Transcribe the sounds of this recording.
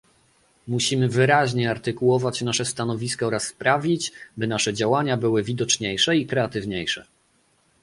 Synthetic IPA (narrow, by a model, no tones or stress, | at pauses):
muɕimɘvɘɾaʑɲɛaɾt̪ɘkuwɔvat͡ɕnaʂɛst̪anɔvʲiskaɔɾasːpɾavʲit͡ɕbɘnaʂɛd͡ʑawaɲabɘwɘvʲid̪ɔt͡ʂɲejʂɛikɾɛat̪ɘvɲejʂɛ̰